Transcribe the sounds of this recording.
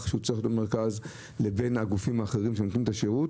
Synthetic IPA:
χʃeut͡sixot̪ome̞ʁkaz | le̞be̞naɡufimaːχe̞ʁimʃemotnimet̪aʃeʁut

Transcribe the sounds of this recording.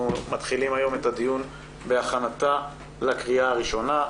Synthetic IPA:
umat̪χilimajo̞me̞tad̪ijun | be̞aχanat̪a | lakʁiaːʁiʃo̞na

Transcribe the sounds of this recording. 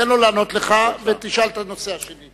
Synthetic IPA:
enlolaːno̞t̪leχavet̪iʃalt̪ano̞se̞aʃeni

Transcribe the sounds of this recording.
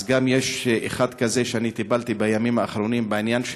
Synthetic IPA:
zɡamjeʃḛχad̪kaze̞ʃeanit̪ibalt̪ibajamimaːχɾo̞nimbeinjanʃ

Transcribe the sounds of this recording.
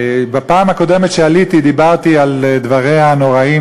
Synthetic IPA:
bapaːmhako̞d̪emet̪ʃealit̪id̪ibaʁt̪iald̪vaʁehano̞ʁai

